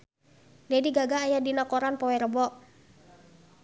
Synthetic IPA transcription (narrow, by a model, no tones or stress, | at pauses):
lɛdiɡaɡaːjadinakɔɾanpɔwɛɾəbɔʔ